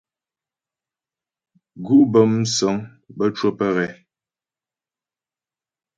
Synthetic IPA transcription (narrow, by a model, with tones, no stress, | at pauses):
ɡu˦ʔbə˨m˦sɔ˨˦ŋ | bə˦t͡ʃwə˦pə˦ɣɛ˨˦